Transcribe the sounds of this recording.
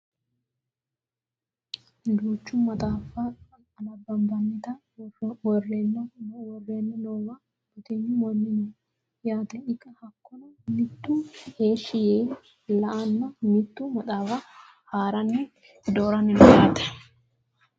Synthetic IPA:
d̪uːt͡ʃːʊmɐt̪ʼaːfɐ | ɐnɐbɐmbɐnːɪt̪ɐ | wɔrːenːɐwɔrːeːnːɛnoːwɐ | b̥ɔt̪ɪɲːʊmɔnːɪnɛ | jaːt̪ɛɪkʼːɐhɐkːɔnɐmɪt̪ːʊheːʃːɪjeː | lɐʔɐnːɐmɪt̪ːʊmɐt̪ʼaːfɐ | haːɾɐnːɛ | d̪oːɾɐnɪnɛjaːt̪ɛ̥

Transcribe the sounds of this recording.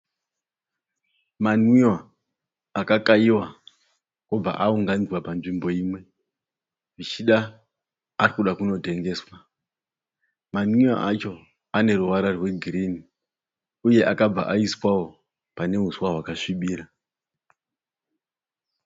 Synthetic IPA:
manwiwa | akakaiwa | kub͡va̰ʔauŋɡanizwapanʐimbo̞iːmwe̞ | ʐit͡ʃiɗaː | rikuɗakuno̞te̞ŋɡe̞ːswa | manwia̰ʔat͡ʃo̞ | ane̞ɾuʋaɾarwe̞ɡʱiriːni | uje̞ʔakab͡va̰ʔaiswawo̞ | pane̞ɦuswaɦwakaʂiɓiːɾa

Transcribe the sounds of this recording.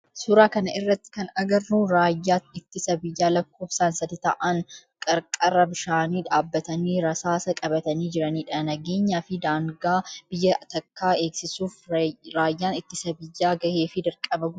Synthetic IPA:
suːɾaːkɐnɐʔɪrːɐt̪ːɪ̥kɐnɐɡɐrːuːɾaːjːaːt̪ɪt̪ːɪsɐbɪjːaːlɐkːo̞ːfsaːnsɐd̪ɪt̪ɐ̰ʔɐnkʼɐɾkʼɐrːɐbɪʃaːniːᶑaːbːɐt̪ɐniːɾɐsaːsɐkʼɐbɐt̪ɐniːd͡ʒɪɾɐniːᶑɐnɐɡe̞ːɲːaːfɪd̪aːŋɡaːb̥ɪjːɐt̪ɐkːaːe̞ːksɪsuːfɾaːjːaːnɪt̪ːɪsɐbɪjːaːɡɐhe̞ːfɪd̪ɐɾkʼɐbɐɡ

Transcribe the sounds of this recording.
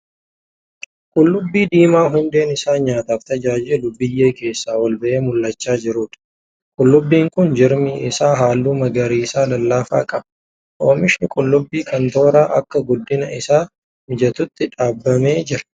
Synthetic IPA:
kʼʊlːʊbːiːd̪iːmaːɦʊnd̪e̞ːnɪsaːɲaːt̪aːft̪ɐd͡ʒaːd͡ʒɪlʊbːɪjːe̞ːke̞ːsːaːwɐlbɐʔeːmʊlːɐt͡ʃːaːd͡ʒɪɾuːᶑ̪ɐ̥ | kʼʊlːʊbːiːŋkʊnd͡ʒɪɾmɪɪsaːɦaːlːuːmɐɡɐɾiːsaːlɐlːaːfa̰ːkʼɐb | ʔo̞ːmɪʃɪnɪkʼʊlːʊbːiːkɐnt̪o̞ːɾaːʔɐkːɐɡʊd̪ːɪnɐɪsaː | mɪd͡ʒɐt̪ʊt̪ːɪᶑaːbːɐmeːd͡ʒɪɾɐ̥

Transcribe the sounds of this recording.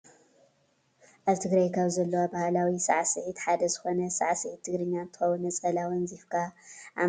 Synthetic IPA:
ʔaβt̪ʰɨɡɾɐjkʰɐβzɐlːɐwabahalawisa̰ʕsɨʕit̪ħad̪ɐzɨxo̞nɐsa̰ʕsɨʕit̪ʰːɨɡɾɨɲːant̪ɨxɐwunɐt͡sʼɐlawɨnzifkʰaʔa

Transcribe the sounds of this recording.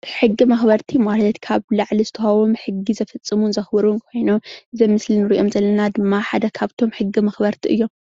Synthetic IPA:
ħɨɡːimɐxbɐɾt̪ʰimalɐt̪kʰaβlaʕlizɨt̪ʰɐhawomħɨɡːizɐfɐt͡sʼːɨmunzɐxbɨɾunkʰo̞jnomɨzɐmɨslinɨɾiʔo̞mzɐlːɐnad̪ɨmːaħad̪ɐkʰaβt̪ʰo̞mħɨɡːimɐxbɐɾt̪ʰiʔɨjːo̞m

